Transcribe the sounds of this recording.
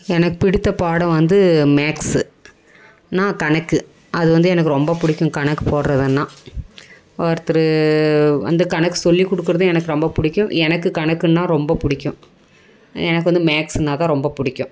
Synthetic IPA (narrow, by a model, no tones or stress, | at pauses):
ɛnɐkːɯpɪɽɪt̪ːɐpaːɽɐ̃ʋɐnd̪ɯmeːks | nãːkɐɳɐkːɯ | ɐðɯʋɐnd̪ɯɛnɐkːɯɾɔmbɐpʊɽɪkʲːʊ̃kɐɳɐkːɯpoːɽɾɐðɯnːãː | ɐɾt̪ːɯɾɯ | ʋɐ̰nd̪ɯkɐɳɐkːɯ̥sɔlːikɔɽɯk̬ːɯɾɐðɯ̃ɛnɐkːɯɾɔmbɐpʊɽɪkʲːʊ̃ɛnɐkːɯkɐɳɐkːɯnːãːɾɔmbɐpʊɽɪkʲːʊ̃ | ɛnɐk̬ːɯʋɐnd̪ɯmaːksɛnːaːt̪ãːɾɔmbɐpʊɽɪkʲːʊ̃